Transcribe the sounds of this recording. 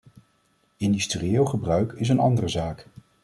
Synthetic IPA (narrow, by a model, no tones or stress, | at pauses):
ɪndystriɪːlˠχəbrœɥkɪs̬ənɑndərəzaːk